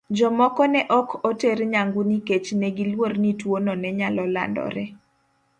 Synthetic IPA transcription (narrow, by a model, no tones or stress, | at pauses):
d͡ʒɔmɔkɔnɛʔɔkʰɔteɾɲaŋɡuniket͡ʃnɛɡilwornitwonɔnɛɲalɔla̰ndɔ̰ɾɛ